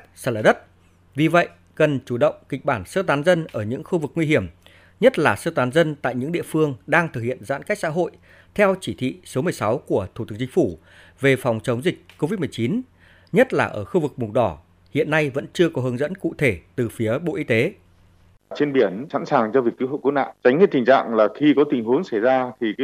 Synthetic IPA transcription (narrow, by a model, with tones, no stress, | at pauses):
saː˧˩˨laː˨˧˩ɗə˦˥t̚ | vi˨˩və̰˧˨j | kə˨˩nt͡ɕu˧˩ɗə̰˧˨wŋ͡mki˨˩k̟̚ɓaː˧˩nsəː˧t̪aː˨˦nzə˧nʔəː˧˩ɲɨ̰˧˥ŋxu˧vɨ˨˩k̚ŋwi˧hi˧˩əm | ɲə˦˥t̚laː˨˩səː˧t̪aː˨˦nzə˧nt̪a̰ː˧˨jɲɨ̰˧˥ŋɗḭ˧˨əfɨ˧əŋɗaː˧ŋt̪ʰɨ˨˩k̚hḭ˧˨ənza̰ː˧˥nka˦˥jk̚sa̰ː˧˥ɦo̰˧˨j | t̪ʰɛ˧wt͡ɕi˧˩t̪ʰḭ˧˨so˨˦mɨ˨˩əjsa˨˦wku˧˩ət̪ʰu˧˩t̪ɨ˨˦k̚t͡ɕï˧ŋ̟fu˧˩ | ve˨˩fɔ˨˩wŋ͡mt͡ɕə˨˦wŋ͡mzï˨˩k̟̚ko˧vi˦˥t̚m˨˩əjt͡ɕi˨˦n | ɲə˦˥t̚laː˨˩ʔəː˧˩xu˧vɨ˨˩k̚mʊ˨˩ɗɔ˧˩ | hḭ˧˨ənːa˧jvə̰˧˥nt͡ɕɨ˧əkɔ˨˦ɦə˨˦ŋzə̰˧˥nkṵ˧˨t̪ʰe˧˩t̪ɨ˨˩fi˨˦əɓo̰˧˨ʔi˧t̪e˨˦ | t͡ɕe˧nɓi˧˩ənsa̰˧˥nsaː˨˩ŋt͡ɕɔ˧vi˨˩ək̚ːi˨˦ho̰˧˨jku˨˦na̰ː˧˨t͡ɕa˨˦jŋi˦˥t̪̚i˨˩ŋ̟t͡ɕa̰ː˧˨ŋlaː˨˩xi˧kɔ˨˦t̪ï˨˩ŋ̟hu˨˦əŋsa˧˩jzaː˧t̪ʰi˨˩˦